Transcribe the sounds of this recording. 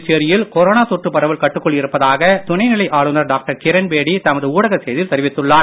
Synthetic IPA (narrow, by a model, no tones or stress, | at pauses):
t͡ʃːɪɐɾɪjɪlkɔɾoːnaːt̪ɔʈrɯpːɐɾɐʋɪlkɐʈːɯkːɔɭɪɾɯpːɐðaːɣɐt̪ʊnɐɪnɪlɐɪʔaːɭɯnɐɾɖaːk̚ʈɐɾkɪɾɐnbeːɽit̪ɐmɐðɯuːɽɐɣɐsɛjðɪlt̪ɐɾɪʋɪt̪ːɯɭːaːɾ